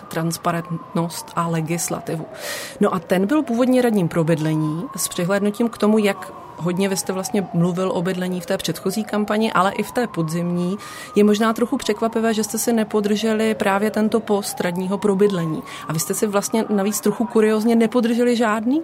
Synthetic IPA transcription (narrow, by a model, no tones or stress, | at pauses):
t̪ɾanspaɾɛnt̪no̞st̪ʔalɛɡɪsla̰t̪ɪvuno̞ʔat̪ɛnbɪlpuːvo̞dɲɛɾadɲiːmpɾo̞bɪdlɛɲiːspr̝̥ɛɦlɛdnuciːmkt̪o̞mujak | ɦo̞dɲɛvɪst̪ɛvlast̪ɲɛmluvɪlʔo̞bɪdlɛɲiːft̪ɛːpr̝̥ɛt̪xo̞ziːkampaɲɪʔalɛʔɪft̪ɛːpo̞dzɪmɲiː | jɛmo̞ʒnaːt̪ɾo̞xupr̝̥ɛkvapɪvɛːʒɛst̪ɛsɪnɛpo̞d̪r̩ʒɛlɪpɾʔaːvjɛt̪ɛnt̪o̞po̞st̪ɾadɲiːɦo̞pɾo̞bɪdlɛɲḭː | ʔavɪst̪ɛsɪvlast̪ɲɛnaviːt͡st̪ɾoxukuɾɪo̞zɲɛnɛpo̞d̪r̩ʒɛlɪʒaːdniː